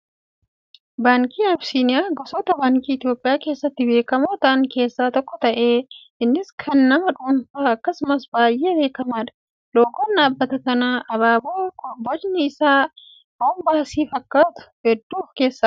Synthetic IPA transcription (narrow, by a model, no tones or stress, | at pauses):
baːŋkiːɐbsiːnɪjaːɡɔsɔt̪ɐbaːŋkiːɪt̪ɪjo̞ːpʼːɪjaːkeːsːɐt̪ːɪbe̞ːkɐmoːt̪ɐŋke̞ːsːaːt̪ɔkːɔt̪ɐʔe̞ː | ɪnːɪskʰɐnːɐmɐᶑʊːnfaːɐkːɐsʊmɐsbaːjʔe̞ːbe̞ːkɐmaːᶑɐ̥ | lo̞ːkːoːnːaːbːɐt̪ɐkɐnaːʔɐβaːboːkɔbɔd͡ʒnɪɪsaː | oːmbaːsiːfɐkːaːt̪ʊ̥hɛd̪ːuːfke̞ːsːɐ